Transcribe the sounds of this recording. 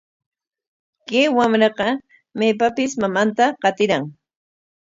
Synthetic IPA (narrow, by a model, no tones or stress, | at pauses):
kewamɾɑqɑ | majpapɪsmamant̪aqɑt̪ɪɾaŋ